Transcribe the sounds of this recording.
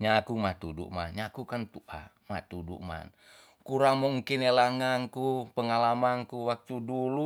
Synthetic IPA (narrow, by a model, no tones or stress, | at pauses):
ɲakumat̪udṵʔma̰nɲakukant̪uʔa̰ | ma̰t̪udṵʔma̰n | kuɾaŋmuŋkinelaŋankupəŋalamankuwak̚t̪udulu